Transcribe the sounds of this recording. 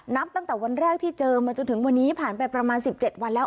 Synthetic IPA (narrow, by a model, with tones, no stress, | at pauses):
na˦˥p̚t̪a˥˩ŋt̪ɛː˨˩wa˧nɾɛː˥˩k̚t̪ʰiː˥˩t͡ɕɤː˧maː˧t͡ɕo˧nt̪ʰɯ˩˦ŋwa˧nːiː˦˥pʰaː˨˩npa˧jpɾa˧maː˧nsi˨˩p̚t͡ɕe˨˩t̪̚wa˧nlɛː˦˥